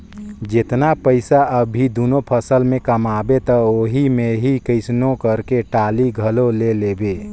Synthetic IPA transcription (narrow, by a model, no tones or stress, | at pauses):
d͡ʒɪt̪napəɪsaəbʱid̪oːnopʰəsəlmẽkəmaːbet̪ɐoːɦimẽɦikəɪsnokəɾkeʈaːliɡʱəloleleːbeː